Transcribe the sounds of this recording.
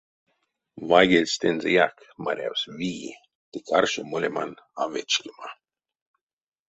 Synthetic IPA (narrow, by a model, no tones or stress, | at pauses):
vajɡelʲst̪enzejak | maɾʲa̰wsviː | t̪ikʰarʃomolʲemanavet͡ʃkʲima